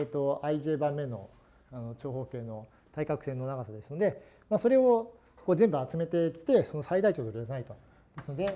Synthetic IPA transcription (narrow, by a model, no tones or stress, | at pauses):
t̪ːo̞aiʑe̞ːbãmːẽ̞nːo̞̰ | ano̞t͡ɕo̞ːɦo̞ːke̞ːno̞ | t̪aikakɯ̟se̞nːo̞naɡasad̪e̞sɨno̞d̪e̞ | maːso̞ɾe̞o | ko̞ːzẽ̞mbɯ̟at͡sɨme̞t̪e̞kʲi̥t̪e̞so̞no̞said̪ait͡ɕo̞ːt̪oɾʲid̪as̬anait̪o̞ | d̪̥esɨno̞d̪e̞